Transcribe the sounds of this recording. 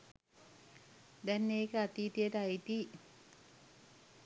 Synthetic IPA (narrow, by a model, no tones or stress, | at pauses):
d̪ɛnːeːkəat̪iːt̪ijəʈəait̪i